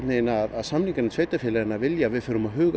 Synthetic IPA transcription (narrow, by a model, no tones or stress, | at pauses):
neɪnaːðaðsamniŋkanɪsʰveːjt̪afjɪːlaɾɪnavɪljavɪðfʏɾʏmaðɦʏːɣ